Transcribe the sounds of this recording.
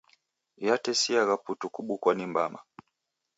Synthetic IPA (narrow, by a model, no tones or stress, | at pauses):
jatɛsiaɣaputukuɓukwanimbama̰